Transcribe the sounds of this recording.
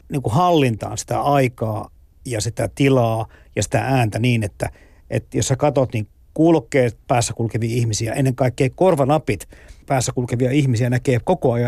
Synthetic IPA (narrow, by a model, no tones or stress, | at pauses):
niːŋkuhɑlːint̪ɑ̰ːnsi̥t̪æ̰ɑikɑː | jɑsit̪æt̪ilɑːjɑsi̥t̪æ̰ʔæːnt̪æniːnet̪ːæ | ʔḛt̪jossækɑt̪ot̪niːŋ | kuːlokːeːpæːsːækulkeʋiɑihmisiæʔenːeŋkɑikːeikorʋɑnɑpit̪pæːsːækulkeʋiɑihmisiænækeːpkokoɑjɑ